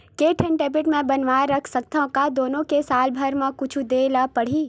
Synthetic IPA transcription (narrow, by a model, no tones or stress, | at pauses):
keːʈʰənʈeːbɪʈmẽbɐnʋaɾɐkʰsək̚t̪ãkad̪oːnõkesaːlbʱəɾmẽkʊt͡ʃʰud̪eːlapɐɽ̤iː